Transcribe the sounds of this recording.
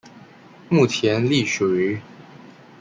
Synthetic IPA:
mu˥˩t͡ɕʰjɛ˧˥nli˥˩ʂwe˨˧˥

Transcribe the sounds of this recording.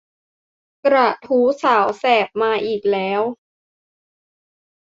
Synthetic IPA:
kɾa˨˩t̪ʰuː˦˥saː˩˦wsɛː˨˩p̚maː˧ʔiː˨˩k̚lɛː˦˥w

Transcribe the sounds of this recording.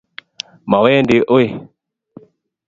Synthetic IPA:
ma˨wɛ˦ndi˨˦ʔo˦i˨

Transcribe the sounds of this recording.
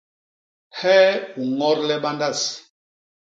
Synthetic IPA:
hɛː˦u˨ŋɔ˦ɾlɛ˦ɓa˦nda˦˨s

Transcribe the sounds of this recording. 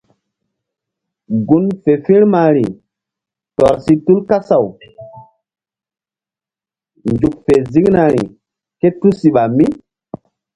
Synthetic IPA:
ɡu˨nfe˨fĩ˦ɾma˨ɾi˨ | tɔ˨ɾsi˦tu˦lka˦sa˨w | nd͡ʒu˨k̚fe˨zi˦ŋna˨ɾḭ˨ | ke˦tu˦si˨ɓa˨mi˦

